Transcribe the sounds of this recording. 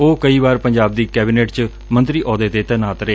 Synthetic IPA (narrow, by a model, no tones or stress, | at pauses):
oːkəiːbaːɾpəɲd͡ʒaːb̚d̪iːkɛːbiːneːʈt͡ʃ | mə̃nt̪ɾiːʔɔːd̪eːd̪eːt̪ɛnaːt̪ɾeː